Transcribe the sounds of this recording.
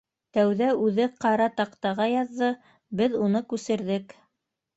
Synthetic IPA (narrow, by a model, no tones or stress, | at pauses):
t̪æwðæʉðɘqɑɾɑt̪ɑqt̪ɑʁɑjɑðːɤ | bɘðunɤkʉsɘ̆ɾðɘk